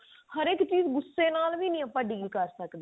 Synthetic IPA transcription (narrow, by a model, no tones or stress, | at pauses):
həɾɪkt͡ʃiːzɡʊsːeːnaːlʋiːnĩːəpəɖiːɡiːkəɾsəkd̪eiː